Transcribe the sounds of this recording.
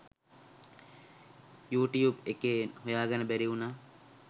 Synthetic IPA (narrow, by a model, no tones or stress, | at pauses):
juːʈijuːbekeːnɦojaːɡanəbæɾiunaː